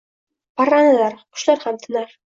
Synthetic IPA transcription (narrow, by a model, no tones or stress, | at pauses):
pɑɾɑnɤ̆lˠɑɾqŏ̥ʃlˠɑɾχæmt̪ʰɤ̆nɑɾ